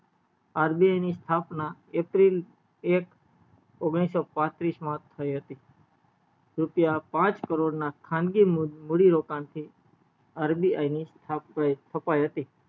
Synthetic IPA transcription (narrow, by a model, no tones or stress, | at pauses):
aɾbiajnist̪ʰapnaepɾil | ek | oɡɽ̃isɔpãt̪ɾismãt̪ʰəjɦət̪i | ɾʊpjapãt͡ʃkəɾoɖnakʰãnd̪ɡimmuɽiɾokant̪ʰi | aɾbia̰inist̪ʰapːajt̪ʰəpajɦət̪i